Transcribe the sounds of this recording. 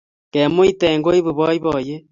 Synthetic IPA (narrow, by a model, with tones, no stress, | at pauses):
ke˨mo˦i˦te˨ŋɡo˦i˦βu˨βɔ˦i˦βɔ˨je˦